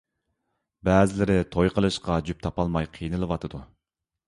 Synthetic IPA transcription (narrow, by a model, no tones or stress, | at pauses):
bɛːzɪlɪɾɪt̪ʰojqʰəlˠɨʃqɑd͡ʒyp̚t̪ʰɑpɑlˠmɑjqʰijnɨlˠɨwɑt̪ʰɨd̪u